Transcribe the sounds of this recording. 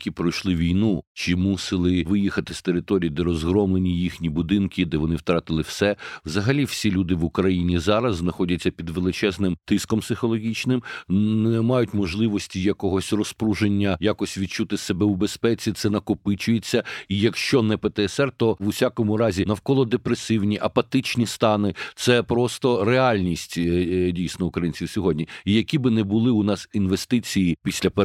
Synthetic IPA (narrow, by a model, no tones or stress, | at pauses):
kʲipɾɔjʃlˠɪʋʲijnut͡ʃimusɪlˠɪʋɪjixɐt̪ɪst̪eɾɪt̪ɔɾʲijid̪ɛɾɔzɦɾɔmlenʲijixnʲibʊd̪ɪnkʲʰɪd̪ɛʋɔnɪwt̪ɾɑt̪ɪlˠɪwsɛwzɐɦɐlʲiwsʲilʲud̪ɪʋʊkɾɐjinʲizɑɾɐzznɐxɔdʲɐt͡sʲːɐpʲid̪ʋelˠɪt͡ʃɛznɪmt̪ɪskɔmpsɪxɔlˠɔɦʲit͡ʃnɪmnɛmɑjʊtʲmɔʒlˠɪʋɔsʲtʲijɐkɔɦɔsʲrɔspɾuʒenʲːɐjakɔsʲʋʲid̪̚t͡ʃut̪ɪsebɛwbespɛt͡sʲit̪sɛnɐkʊpɪt͡ʃʊjet͡sʲːɐijɐkʃt͡ʃɔnɛpet̪ɛɛsɛrt̪ɔʋʊsʲakɔmʊɾɑzʲinɐwkɔlˠɔd̪epɾesɪwnʲiʔɐpɐt̪ɪt͡ʃnʲist̪ɑnɪt̪sɛpɾɔst̪ɔɾeɑlʲnʲisʲtʲdʲijsʲnɔʊkɾɐjinʲt͡sʲiwsʲɔɦɔdʲnʲiijɐkʲibɪnɛbʊlˠɪʊnɑsinʋest̪ɪt͡sʲijipʲisʲlʲɐpe